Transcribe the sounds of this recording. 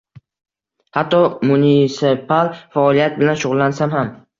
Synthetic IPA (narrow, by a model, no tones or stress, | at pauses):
hat̪ʰːɒmʊnisepalfaɒlijat̪̚bɪlanʃʊʁʊlˠːansamham